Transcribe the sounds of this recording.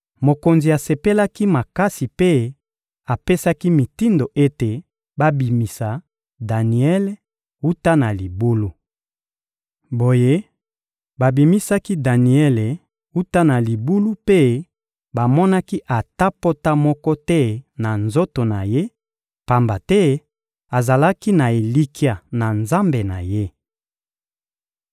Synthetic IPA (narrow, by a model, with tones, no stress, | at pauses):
mo˨ko˨nzi˨a˨se˨pe˦la˦ki˦ma˨ka˦si˨pe˦ | a˨pe˦sa˦ki˦mi˨ti˦ndo˨ʔe˦te˨ | ba˦bi˨mi˨sa˨ | da˨ni˨ɛ˦le˨ | u˦ta˦na˨li˨bu˦lu˦ | bo˨je˦ | ba˨bi˨mi˦sa˦ki˦da˨ni˨ɛ˦le˨ | u˦ta˦na˨li˨bu˦lu˦pe˦ | ba˨mɔ˦na˦ki˦ʔa˨ta˦po˦ta˦mɔ˦kɔ˦tɛ˦na˨nzo˦to˨na˨je˦ | pa˨mba˨tɛ˦ | a˨za˨la˦ki˦na˨e˨li˦kʰi˦a˨na˨nza˦mbe˨na˨je˦